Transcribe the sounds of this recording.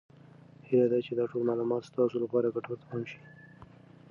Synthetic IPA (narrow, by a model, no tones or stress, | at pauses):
helad̪at͡ʃed̪ɑʈolmɑlumɑt̪st̪ɑsolapɑɾaɡaʈoɾt̪amanʃi̥